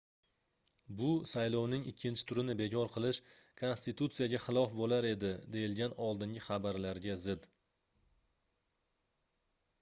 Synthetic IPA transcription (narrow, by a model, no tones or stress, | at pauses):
bʊsajlˠownɪŋɪkʲʰːɪnt͡ʃʰɪ̥t̪ʰʊɾɪnɪbe̞kʲʰɒɾqʰɨlˠɪʃkʰo̞nst̪it̪ut̪sijaɡʲaχɨlˠɒfbolaɾe̞d̪ɪd̪e̞jɪlɡʲanɒlˠd̪ɪŋɡʲɪχabaɾlaɾɡʲazɪd̪